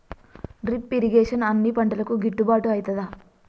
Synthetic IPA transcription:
ɖɾipːiɾiɡeːʂɐnɐnːipɐɳʈɐlɐkuɡiʈːubaːʈuɐjit̪ɐd̪aː

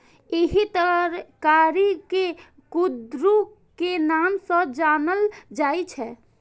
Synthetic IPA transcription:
eɦit̪əɾkaɾike | kud̪ɾu | kenamsəd͡ʒanəld͡ʒajt͡ʃʰɛ

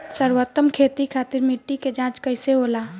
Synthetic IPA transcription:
səɾwət̪ːəmkʰeːt̪ikʰaːt̪ɪɾmiʈːiked͡ʒãːt͡ʃkəɪseɦoːlaː

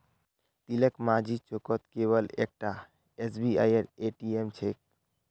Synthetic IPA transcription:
t̪ilekmad͡ʒʱit͡ʃokɔt̪keβəlḛk̚ʈa | esbia̰jəɾeʈiemt͡ʃʰek̚

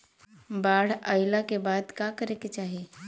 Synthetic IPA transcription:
baːɽ̤əɪlakebaːd̪kakəɾeket͡ʃaːɦie

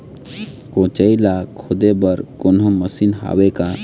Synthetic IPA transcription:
kõt͡ʃəilakʰʊd̪ebəɾkoːnõməsinɦa̰ːweka

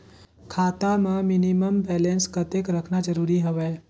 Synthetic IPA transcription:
kʰaːt̪amãminiməmbɛlenskət̪ekɾəkʰnad͡ʒəɾuːɾiɦoʋeː

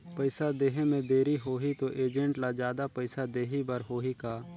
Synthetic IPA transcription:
pəɪsad̪eːɦemẽd̪eːɾiɦoːɦit̪oʔeːd͡ʒə̃ɳʈlad͡ʒjaːd̪apɐɪsad̪eːɦibəɾɦoːɦikaː

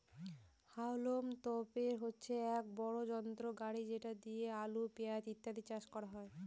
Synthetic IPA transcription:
hawlomt̪ɔpeɾɦotːɕʰeɛk̚bɔɽod͡ʑɔnt̪ɾoɡaɽid͡ʑeʈad̪iealupeat̪it̪ːad̪it͡ɕaʃkɔɾaɦɔe

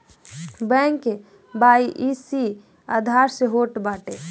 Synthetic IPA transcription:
bɛ̃ŋke | baiʔisi | ad̪ʱaɾseɦoʈbaːʈe

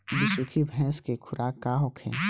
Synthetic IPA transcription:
bɪsukʰibʱɛ̃ːskekʰʊɾʔaːkːaːɦokʰɛ̰̃ː

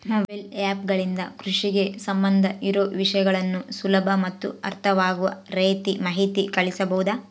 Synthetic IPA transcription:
noːbɐjlaːpɡɐɭind̪ɐkɾuʂiɡe̞sɐmbɐnd̪ʱɐʔiɾoːʋiʂɐjɐɡɐɭɐnːusulɐbʱɐmɐt̪ːuɐ̰ɾt̪ʰɐʋaːɡuʋɐ̰ɾeːt̪imɐɦit̪ikɐɭisɐbɐɦud̪aː

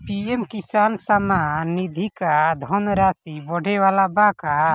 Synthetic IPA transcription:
piɛmkisansamanːid̪ʱikad̪ʱɔnɾasibɔɖʱɛwalabaka

